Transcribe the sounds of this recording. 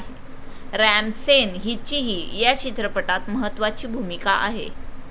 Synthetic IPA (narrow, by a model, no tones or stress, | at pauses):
ɾæmsenɦit͡ɕiɦiːjat͡ɕit̪ɾəpəʈat̪məɦət̪ːʋat͡ɕiːbʱumikaʔa̰ɦḛ